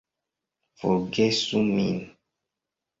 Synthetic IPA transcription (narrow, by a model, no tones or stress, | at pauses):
foɡesumḭn